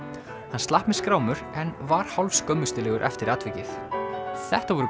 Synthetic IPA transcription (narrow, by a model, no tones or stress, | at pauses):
hanst̪ahpmɛðskɾaːwmʏɾɛnvaɾ̥hawlskœmːʏst̪ʏlɛːɣʏɾʔɛ̰ft̪ɪɾaːt̪vɪcɪθθɛht̪avɔɾʏ